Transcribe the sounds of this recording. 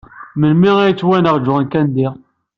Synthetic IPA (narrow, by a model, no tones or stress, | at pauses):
məlmiʁæjt͡sːwænəʁd͡ʒʊʁnkænd̪i